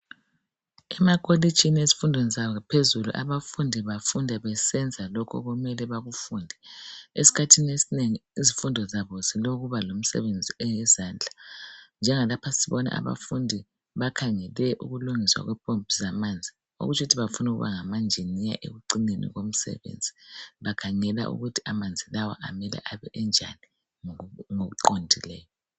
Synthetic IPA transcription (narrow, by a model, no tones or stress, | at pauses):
ɛmakʰʼoli̥t͡ʃʰʼinezi̥fundʱɔnzapʰezulṵʔa̰βafundʱiβafundʱɛaβɛsɛnd͡zʱalɔkʰɔ̰ɣumɛlɛβaɣufuːndʱɛesi̥kʰatʰinesineŋiizifundʱɔzaβɔziloɣuβalom̩sɛ̰βend͡zʱiɛjɛzaːnd͡ɮʱand͡ʒʱɛŋalapʰasiβɔna̰ʔa̰βa̰fundʱi | βakʰaŋɛlɛʔuɣuluŋiswa̰ɣwɛpʼompizamand͡zʱi | o̰ɣut͡ʃʰuutʰiβafunuɣuβa̰ŋamand͡ʒʱenija̰ʔḛɣuǀinenḭɣom̩sɛ̰βḛnd͡zʱiβakʰaŋɛla̰ʔṵɣutʰi̥amand͡zʱilawa̰ʔamɛlɛ̰ʔaβɛ̰ʔɛnd͡ʒʱa̰ni | ŋoɣuǃondʱilɛːjɔ